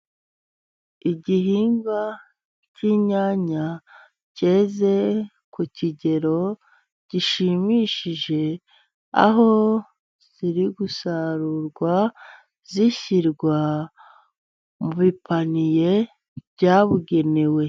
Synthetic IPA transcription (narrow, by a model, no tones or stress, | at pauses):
iɟiɦiːŋɡa | ciɲaːɲa | ce̞ːze̞ | kuciɟe̞ɾo̞ | ɟ̥iʃimiːʃiʒe̞ | a̰ɦo̞ | z̥iɾiɡusaɾuɾɡwa | ziçiɾɡwa | muβipʰanije̞ | bɟaːβuɡe̞ne̞we̞